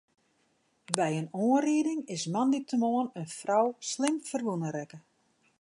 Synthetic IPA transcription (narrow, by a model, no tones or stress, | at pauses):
bɛjənoənriədɪŋɪsmanditəmoənənfrɔwslɪmfərʋunəɾɛkə